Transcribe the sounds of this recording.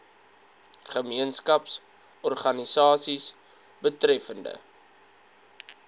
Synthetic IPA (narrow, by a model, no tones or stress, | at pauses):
χəmiənskɐps | ɔrχɐnisɑːsis | bətɾɛfəndə̰